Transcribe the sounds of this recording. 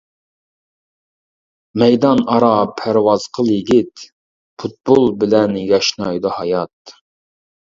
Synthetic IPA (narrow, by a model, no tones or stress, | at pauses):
mɛjd̪ɑnɑɾɑpʰæɾwɑzqʰəlˠjiɪɡʲit̪ | pʰut̪̚bolˠbɪlɛnjɑʃnɑjd̪ɑhɑjɑt̪̚